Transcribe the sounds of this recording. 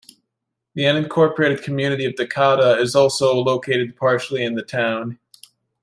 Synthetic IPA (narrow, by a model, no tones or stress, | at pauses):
ðiʌ̃nɨ̃nkʰɔɹpə˞eɪɾɨd̚kʰmjʉñɨɾiʌvdɨkʰɑɾəɪzɔlˠsoʊloʊkʰeɪɾɨd̚pʰɑɹʃl̩ˠiɨ̃nðɨtʰãʊ̃n